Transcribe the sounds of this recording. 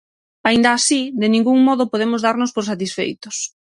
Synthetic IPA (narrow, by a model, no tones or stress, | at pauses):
aĩnd̪aːsid̪ɪnĩŋɡuŋmɔðʊpoðemʊzðaɾnʊspoɾs̬at̪̬isfḛjt̪ʊs